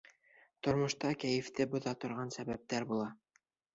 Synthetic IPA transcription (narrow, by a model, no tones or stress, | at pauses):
t̪ŏɾmŏʃt̪ɑkæjɘ̆ft̪ɘbŏðɑt̪ŏɾʁɑnsæβæp̚t̪æɾbulˠɑ